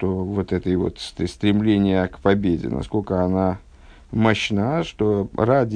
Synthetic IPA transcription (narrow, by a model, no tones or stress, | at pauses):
t̪ovo̞t̪ɛt̪əjvo̞̰t̪st̪st̪ɾʲɪmlʲenʲɪjəkpɐbʲedʲɪ̰nɐ̰sko̞lʲkəɐna | mɐɕnaʂt̪o̞ɾadʲ